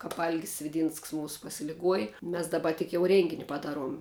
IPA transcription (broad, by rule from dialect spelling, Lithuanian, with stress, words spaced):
ˈkɑːp ˈɐlʲɡʲɪs sʲʋʲɪˈdʲiːnsks ˈmuːsʊ pɐsʲɪlʲɪˈɡuɔjɪ ˈmʲɛs dɐˈbɐ tʲɪk jɛʊ ˈrʲeːŋʲɡʲɪnʲɪ pɐˈdɑːˌruɔm